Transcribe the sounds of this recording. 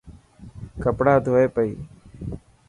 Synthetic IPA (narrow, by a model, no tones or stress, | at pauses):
kəpɽaːd̪ʱoːeːpəḭː